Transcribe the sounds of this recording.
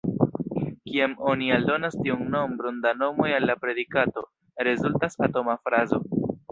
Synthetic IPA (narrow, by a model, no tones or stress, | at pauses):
kiamo̞nialdo̞nastiunno̞mbɾondano̞mo̞jalːapɾe̞dikato̞ | ɾe̞zultasato̞mafɾazo̞